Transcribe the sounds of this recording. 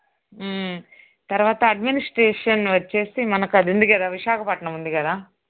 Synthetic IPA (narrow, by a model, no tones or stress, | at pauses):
t̪ɐɾʋaːt̪ɐɐɖminisʈɾeːʂɐnʋɐt͡ʃːeːsimɐnɐkːɐd̪und̪iɡed̪aʋiʃaːkʰɐpɐʈɐɳɐmund̪iɡeːd̪aː